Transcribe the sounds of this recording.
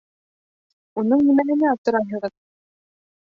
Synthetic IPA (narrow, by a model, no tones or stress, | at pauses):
unɤɴnimæɦɘ̆næɒp̚t̪ɤ̆ɾɑjɦɤ̆ʁɤð